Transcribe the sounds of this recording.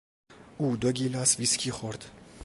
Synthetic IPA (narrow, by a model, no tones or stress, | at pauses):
uːd̪oɡʲiːlasviskʰiːxoɾd̪̥